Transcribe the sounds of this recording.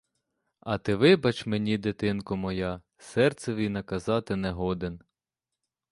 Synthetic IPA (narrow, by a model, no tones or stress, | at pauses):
ɐt̪ɪʋɪbɐt͡ʃmenʲid̪et̪ɪnkʊmɔjɑ | sɛrt̪sɛʋʲijnɐkɐzɑt̪ɪnɛɦɔd̪en